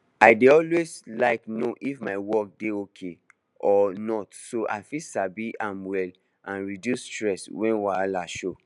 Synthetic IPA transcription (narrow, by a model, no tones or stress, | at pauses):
aɪdeɔlweslaɪknoʔifmaɪwɔk̚deokʰe | ʔɔnɔtsoʔa̰ɪfisabiʔãmwɛl | ʔãnɹidjustɹɛswɛ̃nwalaʃo